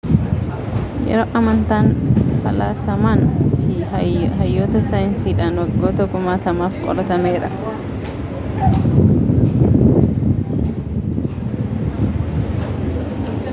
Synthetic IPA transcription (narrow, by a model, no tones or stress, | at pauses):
jɛ̰ɾoːʔɐmɐnt̪aːnfɐ̰laːsɐmaːnfɪɦɐjːoːt̪ɐsajnsiːᶑaːnwɐɡːoːt̪ɐɡʊmaːt̪ɐmaːfkʼɔ̰lɐt̪ɐmeːɾɐ̰